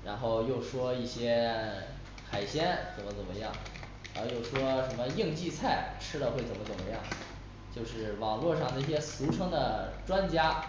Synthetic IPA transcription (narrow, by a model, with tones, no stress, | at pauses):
ɻa˧˥nxo˥˧ʊjo˥˩ʊʂwɔ˥i˥˩ɕjɛ˥ | xa˨˩ɪɕjɛ˥nt͡sə˨˩nmə˦t͡sə˨˩nmə˦jɑ̰˥˩ŋ | a˧˥˧jo˥˩ʊʂwɔ˥ʂə˧˥nmə˧ji˥˧ŋt͡ɕi˥˧t͡sʰa˥˩ɪʈ͡ʂʰɻ̩˥d̪ə˨xwe˥˩ɪt͡sə˨˩nmə˦t͡sə˨˩mə˦jɑ˥˩ŋ | t͡ɕjo˥˧ʊʂɻ̩˥˩wɑ˨˩ŋlwɔ˥˧ʂɑ˥˩ŋd̪ə˩i˥˩ɕjɛ˥su˧˥ʈ͡ʂʰɤ˥ŋd̪ə˨ʈ͡ʂwa˥nt͡ɕja˥